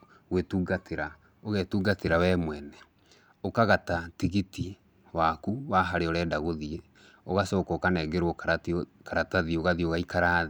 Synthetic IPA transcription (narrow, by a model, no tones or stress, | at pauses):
ɣwetuːɡateɾa | oɣetuːɡateɾawɛmwɛnɛ | okaɣatatiɣiti | wakuwaɦaɾeɔɾɛdaɣoðie | oɣasɔːkɔkanɛɡeɾwɔkaɾataðioɣaðioɣaikaɾa